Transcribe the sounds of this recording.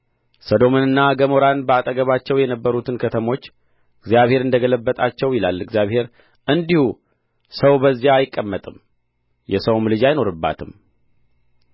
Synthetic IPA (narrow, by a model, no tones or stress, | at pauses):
səd̪o̞mɨnɨnːaɡəmo̞ɾanbəat̪ʼəɡəβat͡ʃːɛwjɛnəbːəɾut̪ʰɨnkʰət̪ʰəmo̞t͡ʃː | ɨɡzjaβhe̞ɾɨnd̪əɡələbːət̪ʼat͡ʃːɛwjɪlalɨɡzjaβhe̞ɾ | ʔɨnd̪ihu | səwbəzːijaːjɪkʼːəmːət̪ʼɨm | jɛsəwmlɨd͡ʒajno̞ɾɨbːa̰t̪ʰɨm